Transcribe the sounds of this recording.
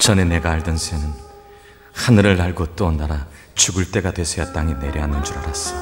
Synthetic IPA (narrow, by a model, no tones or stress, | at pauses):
t͡ɕʌne̞ne̞ɡaːɭdɯnsʰenɯn | hanɯɾɯɭːaɭɡot͈onaɾa | t͡ɕuɡɯɭt͈e̞ɡadwe̞sʰʌjat͈aŋine̞ɾjʌɦanɯnd͡ʑuɾaɾas͈ʌ̥